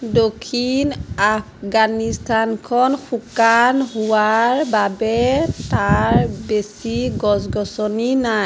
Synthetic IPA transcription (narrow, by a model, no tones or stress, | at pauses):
dokʰinapɡanistʰankʰɔnxʰukanɦuwaɹbabɛtaɹbesiɡɔsɡɔsɔninaj